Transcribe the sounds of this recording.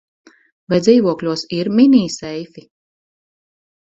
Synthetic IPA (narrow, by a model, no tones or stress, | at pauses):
vajd̪ziːvuɔklʲuɔsiɾmʲinʲiːsɛjfi